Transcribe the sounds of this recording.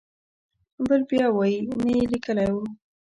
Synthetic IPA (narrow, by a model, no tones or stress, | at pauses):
bəlbjɑwɑjinəjelikəlajwu